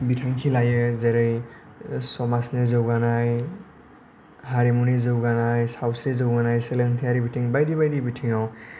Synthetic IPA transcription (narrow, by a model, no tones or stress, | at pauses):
bitʰaŋkʰilajɯzeɾɯj | sɔmasnezɯwɡanaj | haɾimunizɯwɡanajsawsɾezɯwɡanajseleŋtʰijaɾibitʰiŋbajdiβajdibitʰiŋaw